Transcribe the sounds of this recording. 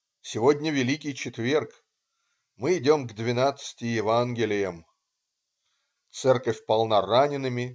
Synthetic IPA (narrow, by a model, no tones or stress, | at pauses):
sʲɪvodʲnʲəvʲɪlʲikʲɪjt͡ɕɪt̪vʲe̞rk | mɨɪdʲo̞mɡd̪vʲɪnat̪sɨ̥tʲɪjɪvanɡʲɪlʲɪjəm | t̪sɛrkəfʲpɐlˠnaranʲɪnɨmʲɪ